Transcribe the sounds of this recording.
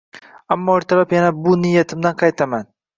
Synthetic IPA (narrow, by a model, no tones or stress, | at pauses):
amːɒːɪɾt̪ʰaɾapjanabʊnɪjːat̪ʰɪmd̪anqʰɑjt̪ʰaman